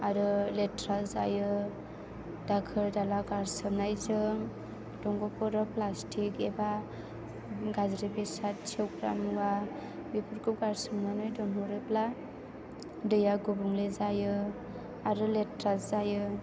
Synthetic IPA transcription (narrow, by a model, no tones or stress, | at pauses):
aɾɯletɾalzajɯ | dakʰɯɾdalaɡaɾsɯbnajzɯŋ | d̥ɔŋɡɔpɔɾɔplastʰikeba | ɡazɾibesat̚t͡ʃʰewɡɾa̰mɡabipʰɯɾkʰup̚ɡaɾsɯmnanɯjdɔŋɦɔɾepla | dɯjaɡubuŋlezajɯ | aɾɯletɾalzajɯ